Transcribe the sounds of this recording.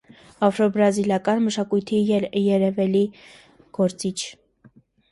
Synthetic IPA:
ɑfɾɔbɾɑzilɑkɑnməʃɑkujt̪ʰiɛjɛɾɛvɛli | ɡ̥ɔɾt͡sit͡ʃʰ

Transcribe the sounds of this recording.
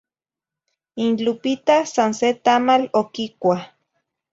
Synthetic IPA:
inlupit̪asanset̪amalokikʷah

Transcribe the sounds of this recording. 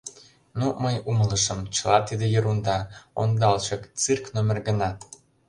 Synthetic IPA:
numəjumələʃəmt͡ɕəlɑt̪id̪ejəɾund̪ɑo̰nd̪ɑlt͡ɕɤkt͡sɨrknomerɡənɑ

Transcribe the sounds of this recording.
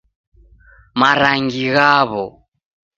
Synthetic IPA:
maɾaŋɡiɣaβɔ

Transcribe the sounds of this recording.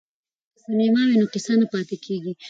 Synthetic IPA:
samemɑwenokɪsanapɑt̪ɪkʰeɡi

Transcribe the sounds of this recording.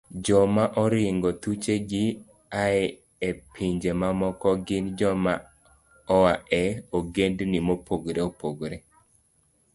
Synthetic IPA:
d͡ʒɔmaʔɔɾɪŋɡɔt̪ut͡ʃeɡɪ | aɛ | epʰiɲd͡ʒemamɔkɔɡɪnd͡ʒɔma | ɔaɛoɡendnimopoɡɾeopoɡɾe

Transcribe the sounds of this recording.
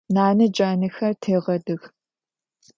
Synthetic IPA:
naːnɨd͡ʒʼaːnɨxɐrtʰeːʁɐdɨx

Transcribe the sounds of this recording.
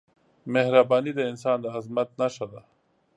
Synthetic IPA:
mehɾabaːnid̪ɐɪnsaːnd̪aazmɐt̪̚naʃad̪a

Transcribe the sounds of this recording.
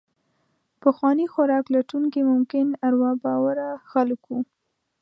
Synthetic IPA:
pəxwɑnixaɾɑklaʈuŋkemʊmkɪnaɾwɑbɑwaɾaxalku

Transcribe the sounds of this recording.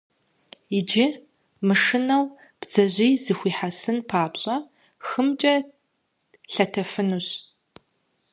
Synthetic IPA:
ɪd͡ʒɪ | mɨʂɨnɐw | b̥z̥ɐʑʷijzɨxʷiːħasɨnpʰaːpɕʼɐ | xɨmt͡ʃʼɐ | ɬɐtʰɐfɨnuɕ

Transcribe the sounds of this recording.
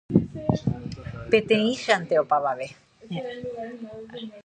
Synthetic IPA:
pet̪ẽĩʃeant̪eopaβaβe

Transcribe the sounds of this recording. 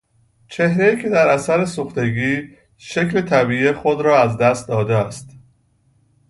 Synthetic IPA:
t͡ʃʰe̞hɾejiːcʲʰe̞d̪æɾʔæsæɾesoxt̪e̞ɡiː | ʃecle̞t̪ʰæbiːexod̪ɾɒːæzd̪æst̪̚d̪ɒːd̪eæst̪

